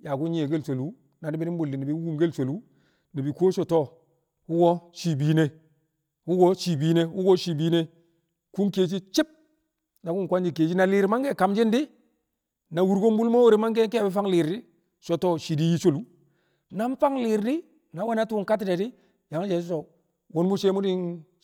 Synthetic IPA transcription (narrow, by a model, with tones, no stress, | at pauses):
ja˨ku˦nɲ˦e˨ɡe˦lso˨lu˦ | na˨di˦bi˦ni˦bu˨lːi˨ni˨bi˨˦u˦ɡu˦mɡe˦lso˨lu˦ | ni˨bi˨ko˦ʃo˨to˦˨ | wu˦ɡo˦ʃi˨bi˨˦ne˦ | wu˦ɡo˦ʃi˨bi˦ne˦wu˦ɡo˦ʃi˨bi˦ne˦ | ku˦nke˦t͡ʃi˦t͡ʃi˦p̚ | na˨ku˦n˨kʷa˦nd͡ʒi˨ke˨t͡ʃi˦na˨li˨ɾma˦ŋke˦˨ka˨md͡ʒi˦ndi˦ | na˨wu˨ɾɡo˦mbu˦lmo˦wo˦ɾi˦ma˦ŋke˦kbi˦fa˦ŋli˨ɾdi˦ | ʃo˨to˦ʃi˨di˦ji˦t͡ʃo˦lu˨˦ | na˦m˦fa˦ŋliː˨ɾdi˦ | na˨˦wa˦na˦tu˦ŋka˦tːi˦da˨di˦ | ja˨ŋ˦d͡ʒe˨sso˨ | wo˦nmu˦ʃe˦mu˦di˦n